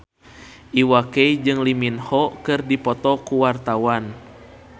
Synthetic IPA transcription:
ʔiwakeid͡ʒɨŋliminhɔkɨrdipɔt̪ɔkuwart̪awan

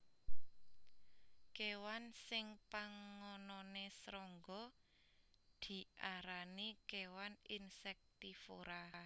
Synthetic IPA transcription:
kewansɪŋpaŋːɔnɔnesɾɔŋɡɔ | d̪̥i̤ʔaɾanikewaninsɛk̚t̪ifoɾa

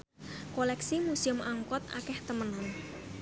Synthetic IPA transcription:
kolɛksimusiʊmʔaŋkɔt̪̚a̰kɛht̪əmənan

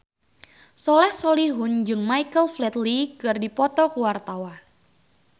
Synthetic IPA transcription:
sɔlɛhsoliɦund͡ʒɨŋmaikəlflɛt̪likɨrdipɔt̪ɔkuwart̪awa

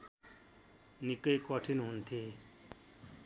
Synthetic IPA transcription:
nikʌjkʌʈʰinɦunt̪ʰe

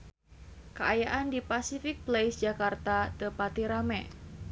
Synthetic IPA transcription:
kaajaʔandipasifɪk̚plejsd͡ʒakart̪at̪əpat̪iɾamɛ

